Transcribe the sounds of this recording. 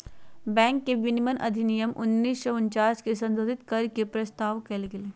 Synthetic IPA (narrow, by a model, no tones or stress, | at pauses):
bɛ̃ːŋkːeʋɪnɪmənʔɐ̰d̪ʱɪnijəmʔʊ̰nːiːsʃɐʊɲt͡ʃaːskesɐ̃nd̪oːd̪ʱɪt̪kɐɾkepɾɐst̪aːʋkɛlɡele